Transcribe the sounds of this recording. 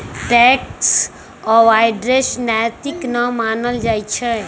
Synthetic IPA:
ʈɛk̚ʈs | ɔʋajɖɾesnajt̪iknəmanəld͡ʒaːjt͡ʃʰe

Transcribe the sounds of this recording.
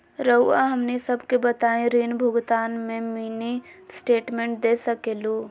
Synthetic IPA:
ɾəaɦəmnisəbkebət̪aːẽɾiːnbʱʊɡt̪aːnmẽmiːnisʈeːʈmẽːɳʈ̚d̪eːsəkeːlu

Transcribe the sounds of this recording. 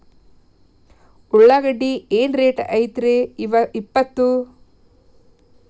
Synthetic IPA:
uɭːaːɡɐɖːieːnɾeːʈɐjt̪ɾeiʋɐipːɐt̪ːu

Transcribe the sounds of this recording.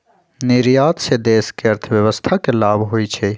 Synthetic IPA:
niɾjaːt̪sed̪eːskeɐɾt̪ʰəʋjəʋəst̪ʰakelaːbʱɦoit͡ʃʰe

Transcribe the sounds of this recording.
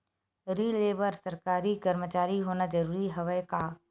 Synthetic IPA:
ɾiːleːbəɾsɐɾkaːɾikɐɾmət͡ʃaːɾiɦoːnad͡ʒɐɾuːɾiɦɐʋəjka

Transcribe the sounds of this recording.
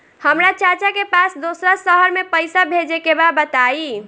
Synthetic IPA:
həmɾat͡ʃat͡ʃakepasd̪osɾasəɦəɾmepəjsabʱed͡ʒekebabət̪ai

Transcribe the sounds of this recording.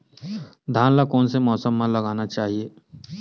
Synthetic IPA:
d̪ʱaːnlakɔːnsemɔːsəmːãlɐɡaːnat͡ʃaːɦieː

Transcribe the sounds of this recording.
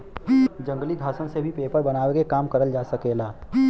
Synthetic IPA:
d͡ʒə̃ŋɡlid̪ʱaːʃə̃ñsebʱipeːpəɾbɐnaːwekekaːmkəɾəld͡ʒaːsəkeːlaː

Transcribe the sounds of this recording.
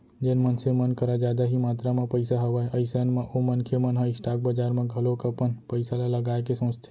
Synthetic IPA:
d͡ʒenmənsemənkəɾad͡ʒad̪aɦimat̪ɾamãpəjsaɦəʋaeʔəjsənmãʔomənkʰemənɦəisʈak̚bəd͡ʒaɾmãɡʱəlokəpənpəjsalaləɡajkesõst̪ʰe̥

